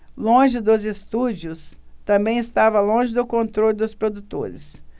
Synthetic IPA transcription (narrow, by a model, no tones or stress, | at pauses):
lõʒɪd̪ʊzest̪ud͡ʒiʊst̪ɐ̃mbẽj̃ɪst̪avɐlõʒɪd̪ʊkõnt̪ɾolʲʊd̪ʊspɾod̪ut̪o̰ɾɪ̰s